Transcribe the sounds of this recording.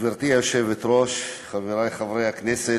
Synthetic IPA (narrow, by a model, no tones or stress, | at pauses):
veɾt̪iaoʃevet̪ɾoʃχaveɾajχavɾejhaknɛse